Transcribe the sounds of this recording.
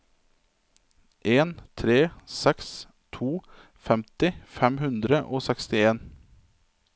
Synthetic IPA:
ʔeːnt̪ʰɾeːsɛks | t̪ʰuː | fɛmt̪ɪfɛmhʉnd̪ɾəʔoːsɛkst̪ɪeːn

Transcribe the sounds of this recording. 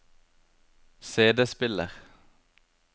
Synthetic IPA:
seːd̪espɪləʁ

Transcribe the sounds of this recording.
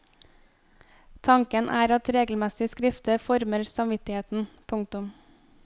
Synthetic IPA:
t̪ʰɑŋkənʔæ̰ːɾɑt̪ɾeːɡl̩mɛsɪskɾɪft̪əfɔɾməɾsɑmʋɪt̪ɪheːt̪n̩pʰʊŋt̪ʊm

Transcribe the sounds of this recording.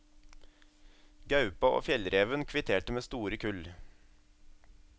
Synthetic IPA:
ɡɑʉpɑʔo̰ːfjɛlɾeːʋənkʰʋɪt̪ʰeːʈəmeːst̪uːɾəkʰʉl

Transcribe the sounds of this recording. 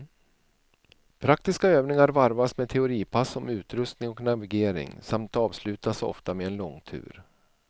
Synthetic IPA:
pʰɾak̚t̪ɪskaøːvnɪŋaɾvaɾvasmɛt̪ʰɛʊɾiːpʰasɔmʉ̟ːt̪ɾɵst̪nɪŋɔknavɪɡeːɾɪ̰ŋsamt̪ɑːvslʉ̟ːt̪asɔ̰ft̪ameɛnlɔŋːt̪ʰʉ̟̰ːɾ

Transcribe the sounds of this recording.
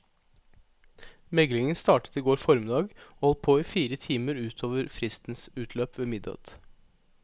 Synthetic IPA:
mɛɡlɪŋənst̪ɑːʈə̥t̪iːɡoːɾfɔɾmɪd̪ɑːɡoːhɔl̚pʰoːiːfiːɾət̪ʰiːməɾʉːt̪ʰoːʋəɾfɾɪst̪n̩sʉːt̪ʰløːpʋeːmɪd̪ɑ̰t̪

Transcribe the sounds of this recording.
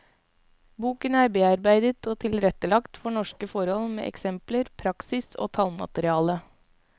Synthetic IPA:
buːkənæːɾbeːɑɾbæɪd̪ət̪oːt̪ʰɪlɾɛt̪əlɑkt̪fɔɳɔʂkəfɔɾhɔlmḛːʔɛ̰ksɛmpləɾpʰɾɑksɪso̰ːt̪ʰɑlmɑ̰t̪əɾɪɑːlə

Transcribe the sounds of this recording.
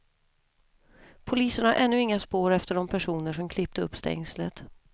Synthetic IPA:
pʰʊliːsənhaɾʔɛnːɵɪŋːaspoːɾɛft̪əɖɔmpʰæʂuːnəʂɔmkʰlɪp̚t̪əɵpːst̪ɛ̰ŋslət̪

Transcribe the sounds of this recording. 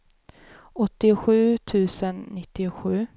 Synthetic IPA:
ɔt̪ːɪɧʉ̟ːt̪ʰʉ̟ːsənːɪt̪ːɪɧʉ̟ː

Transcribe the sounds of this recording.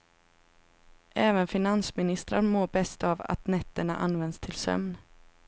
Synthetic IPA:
ʔɛːvənfɪnansmɪnɪst̪ɾaɾmoːbɛst̪ava̰t̪nɛt̪ːəɳa̰ʔa̰nvɛnd̪st̪ʰɪlsœ̰mn

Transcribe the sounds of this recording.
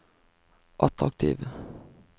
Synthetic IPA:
ʔɑt̪ʁɑk̚t̪ʰḭːʋə

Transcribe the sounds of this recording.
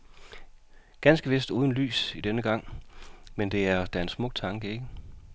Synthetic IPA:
ɡ̥ænsɡ̥əʋe̝sd̥uːð̞ˠn̩ly̰ːsid̥enəɡ̥ɑ̈ŋ̰mend̥e̝æɐd̥æensmɔ̽ɡ̥̚t͡sʰɑ̈ŋɡ̥əe̝ɡ̥ə

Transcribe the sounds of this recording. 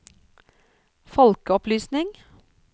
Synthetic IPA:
fɔlkəɔplyːsnɪŋ

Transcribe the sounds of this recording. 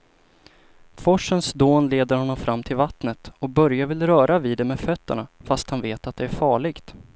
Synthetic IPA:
fɔʂːənsd̪oːnleːd̪əɾhɔnːɔmfɾʔamːt̪ʰɪlvat̪nət̪ɔk̚bœɾjavɪlɾœːɾʔaviːd̪ɛmɛfœt̪ːəɳafast̪hanveːt̪at̪̚d̪ɛæɾfɑːɭɪɡt̪

